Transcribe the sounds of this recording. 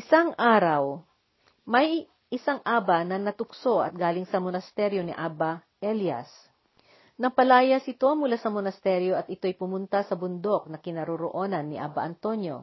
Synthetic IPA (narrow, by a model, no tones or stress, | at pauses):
ʔɪsaŋʔaːɾɐw | mɐj | ʔɪsaŋʔaːbɐnɐnɐt̪ʊkso̞ʔɐ̰t̪̚ɡaːlɪŋsɐmonɐst̪ɛɾjo̞nɪʔaːbɐ | ʔɛljɐ̰s | nɐpɐlaːjɐsɪt̪o̞mʊlasɐmonɐst̪ɛɾjo̞ʔɐt̪ɪt̪o̞jpʊmʊnt̪asɐbʊnd̪o̞k̚nɐkɪnɐɾoɾoʔo̞ːnɐnːɪʔa̰ːbɐʔɐnt̪o̞njo̞̰